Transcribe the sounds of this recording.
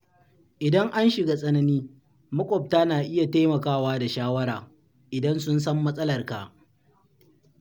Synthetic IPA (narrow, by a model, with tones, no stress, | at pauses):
ʔɪ˨dɐ˦ŋʔa˦nʃɪ˨ɡa˨sʼɐ˦nɐ˦niː˦ | mɐ˦kʷʼɔ˨p̚taː˦naː˨ʔɪ˦ja˨ta˦jmɐ˨kaː˦˨waː˦da˨ʃaː˦wɐ˦ɾaː˨ | ʔɪ˨dɐ˦nsʊ˦nsɐ˦mːɐ˦sʼɐ˦lɐ˨rka˨